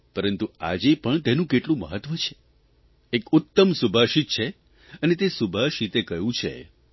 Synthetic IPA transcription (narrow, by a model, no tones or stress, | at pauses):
pəɾənt̪ua̰d͡ʒepəɳt̪enũkeʈlũmə̰ɦət̪ːʋət͡ʃʰe̥ | ekʊt̪ːəmsubʱaʃit̪̚t͡ʃʰe | ənet̪esubʱaʃit̪ekəjũt͡ʃʰḛ